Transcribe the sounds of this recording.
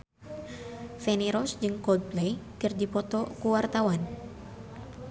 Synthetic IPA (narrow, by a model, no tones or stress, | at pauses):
fɛniɾɔsd͡ʒɨŋkɔd̪̚plejkɨrdipɔt̪ɔkuwart̪awan